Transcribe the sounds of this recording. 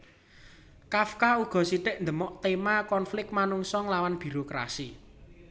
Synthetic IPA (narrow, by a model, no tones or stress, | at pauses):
kafkauɡ̥ɔ̤siɖɪʔnd̪əmɔʔt̪emakɔnflɪk̚t̪̚manuŋsɔŋlawanb̥i̤ɾokɾa̰si